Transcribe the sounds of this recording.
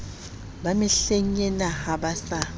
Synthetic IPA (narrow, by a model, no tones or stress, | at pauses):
bamɪɬeŋ̩ɛnahabasa